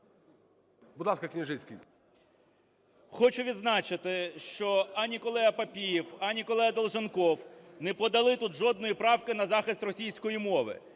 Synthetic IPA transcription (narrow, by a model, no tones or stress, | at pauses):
bʊd̪lˠɑskɐknʲɪʐɪsʲkʲḭj | xɔt͡ʃʊʋʲid̪znɑt͡ʃɪt̪ɪʃt͡ʃɔɐnʲikɔlˠɛɦɐpɐpʲijiwɐnʲikɔlˠɛɦɐd̪ɐlˠʒenkɔwnɛpɔd̪ɐlˠɪt̪ut̪ʒɔd̪nɔjipɾɑwkɪnɐzɑxɪst̪rɔsʲijsʲkɔjimɔʋɪ̰